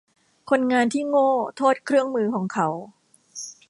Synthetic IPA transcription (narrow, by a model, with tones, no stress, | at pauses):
kʰo˧nŋaː˧nt̪ʰiː˥˩ŋoː˥˩t̪ʰoː˥˩t̪̚kʰɾɯ˥˩əŋmɯː˧kʰɔː˩˦ŋkʰa˨˦˥w